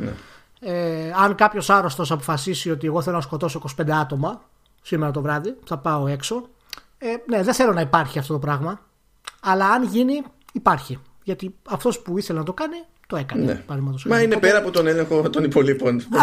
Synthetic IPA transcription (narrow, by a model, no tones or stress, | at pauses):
nḛ | eɐŋkɐpço̞sɐɾo̞st̪o̞sɐpo̞̥fɐsisio̞t̪ieɣo̞θe̞lonɐsko̞t̪o̞so̞iko̞si̥pe̞nd̪e̞ɐt̪o̞mɐ | simeɾɐt̪o̞vɾɐðiθɐpɐo̞e̞kso̞ | ene̞ðenθe̞lo̞nɐipɐɾçiɐft̪o̞t̪o̞pɾɐɣmɐ | ɐlɐːnʝini | ipɐɾçi | ʝɐt̪iɐft̪o̞spuiθe̞lenɐt̪okɐni | t̪o̞e̞kɐnenḛpɐvðimɐt̪osmɐinepeɾɐːpot̪o̞neleŋxo̞t̪o̞nipo̞lipo̞n